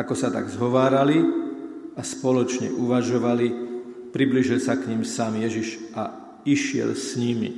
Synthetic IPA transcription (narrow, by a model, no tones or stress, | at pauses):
akɔsat̪a̰ɡzɦɔʋaːɾali | aspɔlɔt͡ʃɲɛ̰ʔuʋaʒɔʋali | pɾibliːʒilsakɲimsaːmjɛʒiʒʔa | iʃɪɛ̰lsɲimḭ